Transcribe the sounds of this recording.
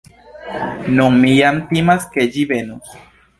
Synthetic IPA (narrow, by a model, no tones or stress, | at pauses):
nuŋmijant̪imasked͡ʒiβenus